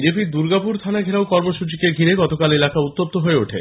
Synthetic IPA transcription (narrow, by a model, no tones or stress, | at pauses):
d͡ʑepid̪uɾɡapuɾt̪ʰanaɡʱeɾaokɔɾmoʃut͡ɕikeɡʱiɾeɡɔt̪okalelakaut̪ːop̚t̪oɦoeoʈʰḛ